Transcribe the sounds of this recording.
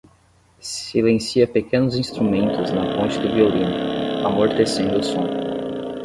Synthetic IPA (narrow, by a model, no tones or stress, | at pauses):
silẽsiɐpekẽnʊzĩst̪ɾumẽnt̪ʊznɐpõnt͡ʃɪd̪ɪviolĩnʊamoɾt̪esẽnd̪ʊʊsõ